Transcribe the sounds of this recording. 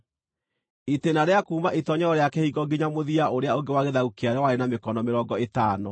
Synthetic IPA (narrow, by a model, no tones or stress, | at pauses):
itenaɾeakuːmaʔitɔɲɛɔɾeakɛhiɡɔɡeɲamoðiaʔoɾeaoŋɡewaɣeðaukeaɾɛwaɾenamekɔnɔmeɾɔɡɔetaːnɔ